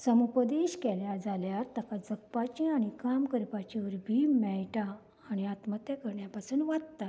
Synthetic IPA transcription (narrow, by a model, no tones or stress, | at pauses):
səmupəd̪eɕkɛljad͡zaljaɾt̪əkad͡zək̚pat͡ɕĩaɽ̃ikamkəɾpat͡ɕiʋəɾbʱimɛjʈaː | ɽ̃iat̪mət̪akəɾɳjapasuːnʋad̪t̪a